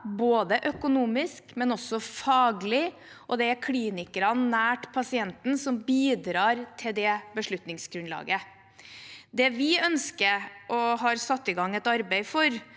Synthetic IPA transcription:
boːd̪əʔœkʊnuːmɪskmɛnɔsːɔfɑːɡlɪ | ʔɔd̪ɛæɾkʰliːnɪkəɾɑnnːæːʈpʰɑsɪɛnt̪nsɔmbiːd̪ɾɑːɾt̪ʰɪld̪ɛbəʂɭʉt̪nɪŋsɡɾʉnlɑ̰ːɡə | d̪ɛʋɪœnskəɾʔɔɦɑːɾsɑt̪ːɪɡɑŋːɛt̪ɑɾbæɪfɔɾ

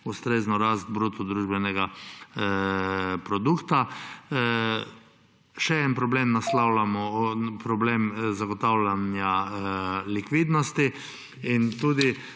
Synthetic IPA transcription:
ust̪ɾeːznɔɾast̪̚bɾut̪ɔd̪ɾuːʒbɛnɛɡa | pɾɔd̪ukt̪a | ʃɛɛnpɾɔbleːmnaslawlamɔpɾɔbleːmzaɡɔt̪awlʲanja | likʋiːd̪nɔst̪i | int̪uːd̪i

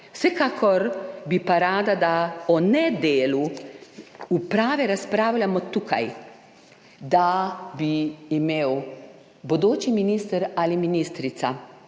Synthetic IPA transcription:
wsɛkakʰɔɾbipaɾaːd̪ad̪aɔnɛd̪eːlu | upɾaːʋɛɾaspɾaːwljamɔt̪ukʰa̰j | d̪abiːmeːw | bɔd̪oːt͡ʃiminiːst̪əɾaliminist̪ɾit̪sa̰

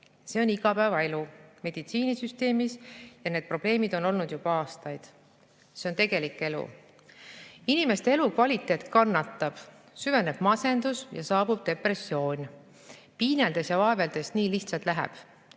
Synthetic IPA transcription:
se̞o̞niɡ̥ɑpæevɑe̞lume̞d̪̥it̪siːnisyst̪e̞ːmisjɑned̪̥̚pro̞b̥le̞ːmid̪̥o̞no̞lnud̪̥jub̥ɑɑːst̪ɑjd̪̥ | se̞ont̪e̞ɡ̥e̞likːˑe̞lṵ | inime̞st̪e̞elukvɑlʲit̪ːˑe̞ːt̪ˑkɑnːɑt̪ːˑɑb̥ | syve̞ne̞b̥mɑse̞nd̪̥usjɑ̰sɑːbub̥̚d̪e̞pre̞sːio̞ːnʲ | piːneld̪̥e̞sjɑvɑeveld̪̥e̞sniːliht̪sɑlt̪ˑlæɦæ̰b̥

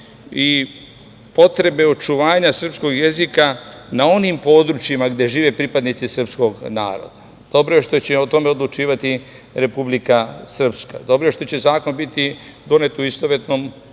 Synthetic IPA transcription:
i | po̞t̪ɾe̞be̞ot͡ʃuʋaːɲasr̩psko̞ɡje̞zikanao̞nimpo̞ːd̪ɾut͡ʃjimaɡd̪e̞ʒiːʋe̞pɾipad̪nit̪sisr̩psko̞ɡna̰ːɾo̰d̪̥a | d̪̥o̞bɾoje̞ʃt̪o̞t͡ɕeot̪o̞me̞od̪lˠut͡ʃiːʋat̪i | ɾe̞publikasr̩pska̰d̪o̞bɾoje̞ʃt̪o̞t͡ɕe̞zaːko̞nbit̪id̪o̞ne̞t̪uist̪oʋet̪no̞m

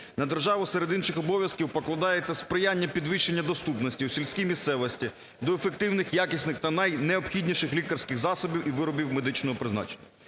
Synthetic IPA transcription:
nɐd̪erʒɑʋʊseɾed̪inʃɪxɔbɔʋʲjɐskʲiwpɔklˠɐd̪ɑjet͡sʲːɐspɾɪjanʲːɐpʲid̪ʋɪʃːe̞nʲːɐd̪ɔst̪upnɔsʲtʲiwsʲilʲsʲkʲijmʲist̪sɛʋɔsʲtʲi | d̪ɔefe̞k̚t̪ɪwnɪxjakʲisʲnɪxt̪ɐnɐjneɔpxʲidʲnʲiʃɪxlʲikɐrsʲkɪɣzɑsɔbʲiwʔiʋɪɾɔbʲiwmed̪ɪt͡ʃnɔɦɔpɾɪznɑ̰t͡ʃenʲːɐ

